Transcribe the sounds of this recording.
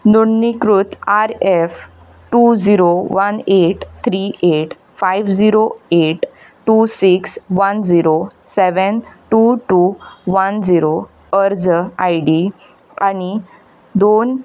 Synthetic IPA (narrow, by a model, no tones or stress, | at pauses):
nuɽnikɾut̪aɾef | ʈud͡ziɾoʋəneʈt̪ʰɾiʔeʈ | fajʋd͡ziɾoeʈ | ʈusiksʋənd͡ziɾoseʋənʈuʈuʋənd͡ziɾo | əɾd͡zajɖi | a̰ñi | d̪on